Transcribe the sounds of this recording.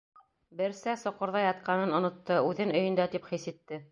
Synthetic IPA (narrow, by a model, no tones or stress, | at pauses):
bɘ̆ɾsæsŏqŏɾðɑjɑt̪̚qɑnɤnŏnŏt̪ːɤʉðɘnɵ̆jɵ̆nd̪æt̪ipχisit̪ːɘ